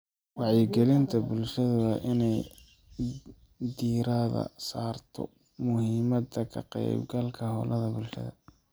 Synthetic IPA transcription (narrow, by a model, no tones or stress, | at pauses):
wɑħjɪɡɛlɪnt̪ʰɐbʊlʃɐðɐɐʔɪnɛj | d̪iːɾɐðɐ̰saːrt̪ʰɔ̰ | mʊhiːmɐd̪ɐkʰɐqɛ̰jbɡɐlkʰɐɦɔ̰ːlɐðɐbʊlʃɐ̰ðɐ̰